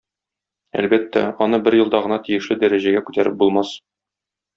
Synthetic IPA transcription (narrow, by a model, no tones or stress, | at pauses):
æ̰lbæt̪ːæ̰ɒnɤbɘɾjɤ̆lˠd̪ɑʁɤ̆nɑt̪ijɘ̆ʃlɘd̪æɾæʑæɡækʉt̪æɾɘp̚bulˠmɑs